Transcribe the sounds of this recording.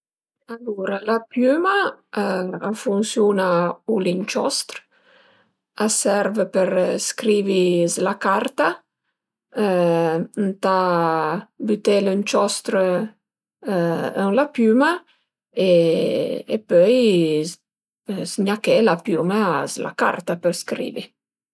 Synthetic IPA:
aluɾalapjyma | afunsjunaulint͡ʃɔst̪ɾ | asɛɾvəpəɾskɾivizlakaɾt̪a | nt̪a | byt̪elənt͡ʃɔst̪ɾə | əŋlapyma | e | ḛpøj | sɲakelapumazla̰ka̰rt̪apəɾskɾḭːvḭ

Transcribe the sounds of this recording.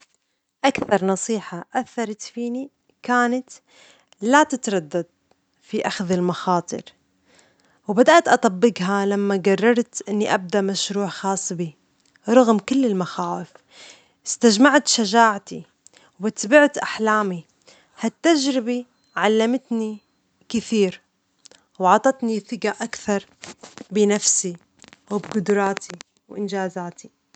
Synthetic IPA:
ʔakθɑɾˤnɑsˤiːħaʔaθːɑɾˤɑt̪fiːni | kaːnat̪ | lat̪ɪt̪ɾˤɑd̪ːad̪̚ | fiʔaxðɪlmaxɑːt̪ˤɨ̰ɾ | wbad̪aʔt̪ʔɑt̪ˤɑbːɪɡɦalamːaɡarˤːɑɾˤt̪ʔɪnːiʔab̚d̪aʔmaʃɾuːʕxɑːsˤːbi | ɾˤɑɣmkʊlːɪlmaxaːwɪf | ʔɪst̪ad͡ʒmaʕt̪ʃaʒaːʕt̪i | wbat̪bɪʕt̪ʔaħlaːmi | hat̪ːad͡ʒɾɪbi | ʕalːamt̪ni | kɪθiːɾ | wʕɑt̪ˤɑt̪niθɪɡaʔakθɑɾˤbɪnafsi | wɪbɡʊd̪ɾˤɑːt̪ʰi | wʔɪnd͡ʒaːzaːt̪i

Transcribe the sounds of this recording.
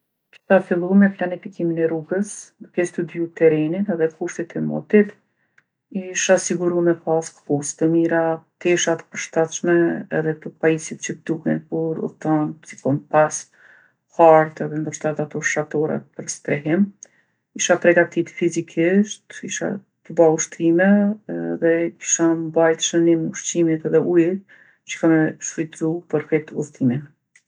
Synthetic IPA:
d͡ʒi̥θafilˠumɛplanifikiminɛɾuɡəsd̪əkɛst̪ud̪jut̪ɛɾɛnit̪ðɛkuʃt̪it̪ʰɛmɔ̰t̪it̪ | iʃasiɡuɾumɛpaskkust̪əmiɾat̪ɛʃat̪ə̥pəɾʃt̪at̪ʃmɛɛ̰ðɛp̪əpaisit̪̚t͡ʃəd̪uhɛ̰npɔɾṵt̪ansi̥kɔnpas | haɾt̪ɛðɛnd̪əɾʃt̪ɛt̪at̪ɔʃat̪ɔɾa̰t̪̚pəɾst̪ɾɛɦim | kiʃap̪ɾɛɡat̪it̪fizikʰɪʃt̪iʃa̰ | t̪əbauʃt̪ɾimɛðɛki̥ʃambajt̪ʃənimuʃtimit̪ɛðɛʔujt̪̚ | t͡ʃə̥kamɛʃɾit̪ɾupəɾfɛt̪uɾt̪imin

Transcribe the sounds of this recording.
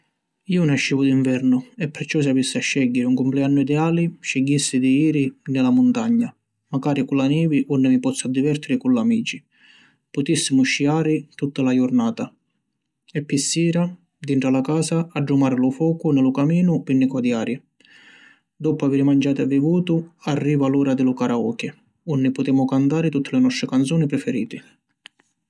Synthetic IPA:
iːʊnaʃːiːvʊd̪iɱvɛɾnʊɛpːɛɾt͡ʃɔs̬ɪavisːɪaʃːɛɟːɪɾɪuŋkʊmplɛanːʊid̪ɛaːlɪʃɛɟːisːɪd̪iiːɾɪnɪlamʊnt̪aɲːa | maɡaːɾikulanɛːviʔɔnːɪmipɔt̪sːad̪ivɛɾt̪ɪɾɪkulːamiːt͡ʃi | pʊt̪isːɪmʊʃːiaːɾɪt̪ut̪ːalajʊɾnaːt̪a | ɛpːisːiːɾa | d̪iɳʈɾalakaːsaːɖːumaːɾɪlʊfɔːkʊnɪlʊkamiːnʊpinːɪkɔd̪jaːɾi | d̪ɔpʊaviːɾɪmand͡ʒaːt̪ɛvːivuːt̪ʊarːiːvaluːɾad̪ɪlʊkaɾaɔːkɪ | ɔnːɪpʊt̪ɛːmʊkant̪aːɾɪt̪ut̪ʰːɪlɪnɔst̪ɾɪkant̪sɔːnipɾɪfɛɾḭːt̪ɪ

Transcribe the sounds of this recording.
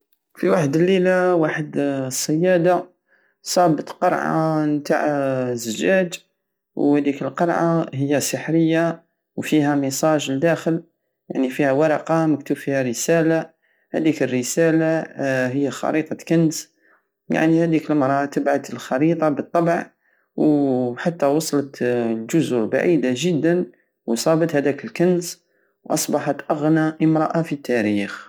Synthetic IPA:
fiwaħəd̪əlːelawaħəd̪sˤːəjːæd̪a | sˤɑbət̪ˤqɑɾˤʕɑ̰mnt̪a̰ʕzːəʒæd͡ʒ̪ | whæd̪ikəlqɑɾˤʕahəjːæsəħɾəjːa | wfihæməsˤɑʒld̪æxəl | ja̰ʕnifihæwɑɾˤɑqɑməkt̪ubfihæɾəsæla | hæ̰d̪ikərːəsælaɦəjːæxɑ̰ɾit̪ˤɑkəns | ja̰ʕnihæd̪ikəlmɾˤʔɑt̪əbʕad̪əlxɑɾit̪ˤɑbət̪ˤːɑbəʕ | wħat̪ːæwɑsˤlət̪lʒʊzʊɾba̰ʕid̪aʒəd̪ːən | wsˤɑbət̪hæd̪ækəlkəns | wʔɑsˤbɑħɑt̪ʔəɣnaʔəmɾˤɑʔafit̪ːæɾix

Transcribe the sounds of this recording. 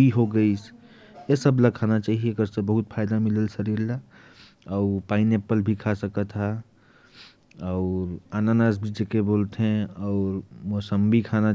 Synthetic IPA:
iɦoɡəɪsʰ | esəbləkʰanat͡ʃaɦiekəɾsə̃bəɦut̪̚pʰajd̪amiləlsəɾiɾla | aʊpainepəlbʱikʰasəkət̪ɦa | aʊɾananasbʱid͡ʒekebolt̪ɦẽɔʊɾmosəmbʱikʰana

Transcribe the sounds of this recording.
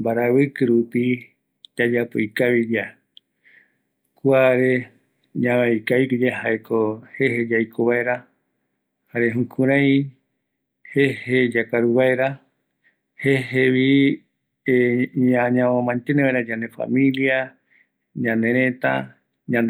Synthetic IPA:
mbaɾaβɨkɨɾupi | d͡ʒad͡ʒapo̰ikaβid͡ʒa | kʷaɾe | ɲãβajkaβikɨd͡ʒeɦaekohehed͡ʒajkʰoβaeɾa | haɾeɦũkʰũɾãj̃ | hehed͡ʒakaɾuβaeɾa | heɦeβi | eɲaɲãõmãnt̪eneβaeɾad͡ʒanefa̰mĩlia | ɲãnd̪ẽɾẽt̪a̰ | ɲãnd̪

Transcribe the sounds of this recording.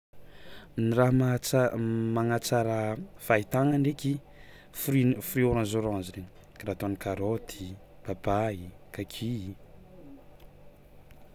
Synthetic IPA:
niɾaɦmat͡smaŋat͡saɾəfait̪aŋaɳɖ͡ʐeki | fɾifɾioɾanzoɾanziɾeɲi̥ | kaɾat̪oanikaɾod̪ʰi | b̥abaikakʰii

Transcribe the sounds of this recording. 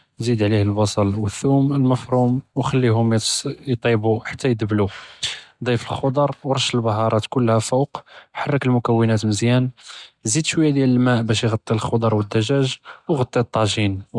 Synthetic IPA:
zid̪ʕlihəlbɑsˤɑlwəθːuməlməfɾumwxælːihʊmjt̪ˤibuħḁt̪ʰːæjd̪blu | d̪ˤijfəlxod̪ˤɑɾˤwɾˤɑʃəlbɑɦɑɾˤɑt̪kʊlːhæfowqħɑrˤːəkəlmʊkæwːənæt̪məzjænzid̪ʃwəjːæd̪jæləlmæʔbæʃjɣɑt̪ˤːilxod̪ˤɑɾˤwəd̪ːæʒæʒwɣɑt̪ˤːit̪ˤːɑʒin

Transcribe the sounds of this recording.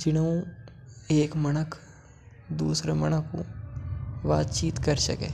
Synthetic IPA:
d͡ʒɪnəũ | eːkmɐnəkʰ | d̪uːsɾemɐñəkʰṵ | ʋa̰ːt̪t͡ʃiːt̪kɐɾsɐ̰kḛː

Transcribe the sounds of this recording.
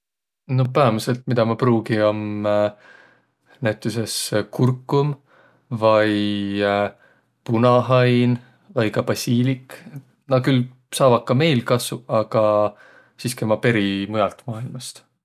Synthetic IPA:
no̞pæemuse̞lt̪mid̪̥ɑmɑpruːɡio̞m | næjt̪ːˑuse̞skurkːˑum | vɑj | punɑɦɑjn | vɑjkɑpɑsʲiːlik | nɑkyl | sɑːvɑkːɑme̞jlkɑsuɑɡ̥ɑ | siːske̞mɑpe̞ɾimujɑlt̪mɑːilmɑst̪

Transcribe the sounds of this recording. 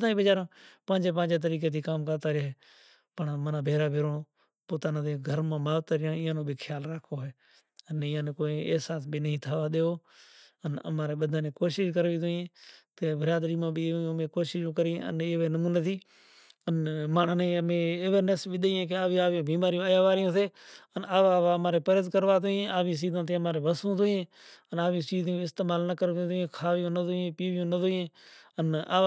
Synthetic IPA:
t̪aːĩːbɪd͡ʒaːɾãːpãːd͡ʒeːp̬ãːd͡ʒeːt̪̬əɾiːk̬eːt̪ʰiːkaːmkəɾt̪aːɾɪɦeː | pəɳmənãːbʱeːɾaːbʱeːɾõː | poːt̪aːnãːd̪eːɡʱəɾmãːmaːʋt̪aːɾɪjãːɪjãːnõːbʱikʰɪjaːlɾaːkʰoːɦeː | ənɪːãːneːkoːĩːeɦsaːsbiːnəɦĩːt̪ʰaːʋaːɗ̪eːoː | ənə̰mãːɾeːɓəd̪ʱãːneːkoːʃɪʃkəɾʋiːt̪ʊẽːt̪eːbəɾaːd̪ɾiːmãːbĩːmẽːkoːʃɪʃõːkəɾĩːə̰neːʋeːnəmuːneːt̪iː | ənmaːɳneːəmẽːɪʋənəsʋɪɗ̪əiːẽːk̬eaːʋiaːʋõːbiːmaːɾijõːəjaːʋaːɾɪjõːseːənaːʋaːʋaːəmaːɾeːpəɾəzkəɾʋaːt̪ʊẽːaːʋĩːsiːzãːt̪ʰẽːəmaːɾeːʋəsũːt̪ʊẽː | ənaːʋĩt͡ʃiːzɪst̪eːmaːlnəkəɾʋ̃ːt̪ːẽːkʰaːʋɪjõːnət̪ʊẽːpiːʋjõːnət̪ʊẽːəna̰ː

